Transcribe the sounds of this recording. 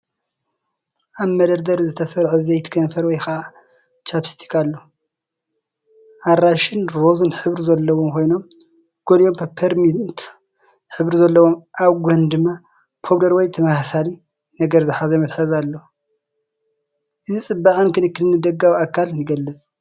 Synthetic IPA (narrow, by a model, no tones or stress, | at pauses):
ʔaβmɐd̪ɐɾd̪ɐɾzɨt̪ʰɐsɐɾʕuzɐjt̪ʰɨ̥kʰɐnfɐɾwɔjxɐʔa | t͡ʃapi̥st̪ʰi̥kʰalːo | ʔaɾaʃɪnɾozɨnħɨβɾizɐlːɐwomkʰo̞jno̞m | ɡ̥oljompʰɐpʰɐɾmint̪ | ħɨβɾizɐlːɐwomʔaβɡʷɐnd̪ɨmːa | pʰoβd̪ɐɾwɔjt̪ʰɐmahsali | nɐɡɐɾzɨħazɐmɐt̪ħɨzalːo | ʔɨzit͡sʼɨbːaʔʼankʰɨnɨkːɨdɨnːɨd̪ɐɡːawakʰːaljɨɡɐlːɨt͡sʼ